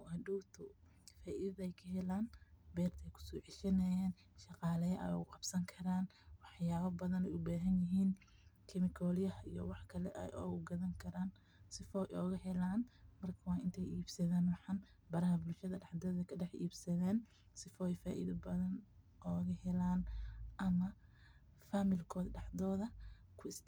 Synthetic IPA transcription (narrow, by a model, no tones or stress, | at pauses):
ɐduːbt̪ʰʊ | faːʔiðɐðɐɛjkʰɐɦɛlaːnbɛːrt̪ʰɛjkʰʊ̥sɔːʕɪʃɐnɐjaːn | ʃɑqɑːlɐɐʔɛ̰jɣʊqɑbsɐŋkʰɐɾaːn | wɑħjaːβɐbɐðɐnɛjʊbaːɦɐnjɪɦiːn | kʰɛmɪkʰɔːljɐhḭjɔ̰wɑħkʰɐlɛ̰ʔɛ̰jʔɔ̰ːɣʊɡɐðɐŋkʰɐɾaːn | sɪfɔːjʔɔːɣɐɦɛlaːnmɐrkʰɐwɑːʔɪnt̪ʰɛjʔiːbsɐðaːnwɑħɑn | bɐɾɐɦɐbʊlʃɐðɐɖɑħd̪ɔːðɐkʰɐɖɛħḭːbsɐðɛːn | sɪfɔːjfaːʔḭðɐbɐðɐn | ʔɔːɣɐhɛlaːnʔɐmɐ | faːmɪlkʰɔːd̪ɖɑħd̪ɔːðɐ | kʰʊɪs